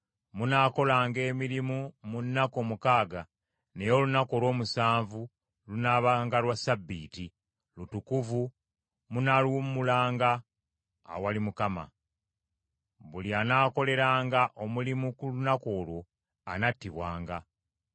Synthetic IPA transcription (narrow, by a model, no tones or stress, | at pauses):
munaːko̞laːŋɡe̞ːmiɾimumunːako̞mukaːɡa | ne̞jo̞ːlunako̞lwo̞ːmusaːɱvu | lunaβaŋɡalwasabːiːti | lutukuvu | munalwumulaːŋɡa̰ː | walimukama̰ | βulianaːko̞le̞ɾaːŋɡaʔo̞mulimukulunako̞ːlwo̞ | a̰natːiβwa̰ːŋɡa